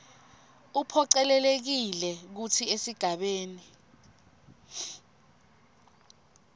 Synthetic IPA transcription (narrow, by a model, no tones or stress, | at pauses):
upʰɔǀɛlɛlek̬ilɛk̬utʰiesiɡ̥ʱaɓeːni